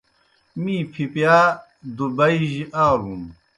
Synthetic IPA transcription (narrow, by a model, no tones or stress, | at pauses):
mĩːpʰipjaː | d̪ubɐiʑiʔaːɾum